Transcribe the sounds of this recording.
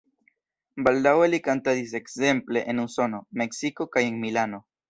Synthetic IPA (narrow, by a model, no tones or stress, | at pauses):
bald̪awelikant̪aðis̬eksempleʔenuso̞nomeksikokajeŋmilano